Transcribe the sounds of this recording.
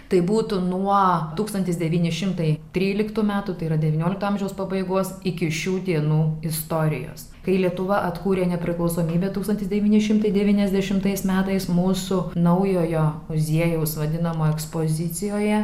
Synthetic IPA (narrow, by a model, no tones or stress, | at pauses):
t̪ɐɪbuːt̪ʊnuɔt̪uːkst̪ɐnʲt̪ʲɪsd̪ʲɛʋʲiːnʲɪʃʲɪmt̪ɐɪt̪ʲɾʲiːlʲɪkt̪uːmʲæːt̪uːt̪ɐɪiɾɐd̪ʲɛʋʲːnʲoːlʲɪkt̪uɐmʲʒʲɛʊspɐbɐɪɡoːsɪkʲɪʃʲuːd̪ʲiɛnuːɪst̪oːɾʲɪ̰jo̰ːs | kɐɪlʲiɛt̪ʊʋɐʔɐt̪kuːɾʲeːnʲɛpʲɾʲɪklˠɒʊsoːmʲiːbʲeːt̪uːkst̪ɐnʲt̪ʲɪsd̪ʲɛʋʲiːnʲɪʃʲɪmt̪ɐɪdʲɛʋʲiːnʲɛzʲd̪ʲɛʃʲɪmt̪ɐɪsmʲæːt̪ɐɪsmuːsʊnɐʊjoːjoːmʊzʲiɛjɛʊsʋɐd̪ʲɪnɐmoːɛkspoːzʲɪsʲɪjoːjɛ